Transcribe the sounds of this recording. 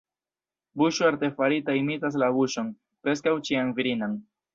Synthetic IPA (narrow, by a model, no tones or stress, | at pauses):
buʃoaɾte̞faɾitaimitas̬labuʃo̞n | pɾe̞s̬kawt͡ʃianviɾinan